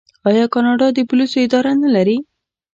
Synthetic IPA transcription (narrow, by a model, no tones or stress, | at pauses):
ɑjɑkɑnɑɖɑd̪əpʊlisoɪd̪ɑɾanalaɾi